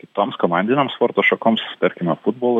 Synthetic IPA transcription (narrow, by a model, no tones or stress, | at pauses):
kʲɪt̪oːmskɔmɑnʲd̪ʲɪnʲɛmspoːɾt̪oʃɔkomssʲpʲɛɾʲkʲɪmʲɐfʊd̪̚boːlˠ